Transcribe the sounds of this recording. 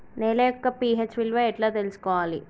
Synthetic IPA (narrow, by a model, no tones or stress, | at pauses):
neːlɐjɔkːɐpiːɦeːt͡ʃʋilʋɐɛʈlaːt̪e̞lusu̥kɔːʋaːlḭ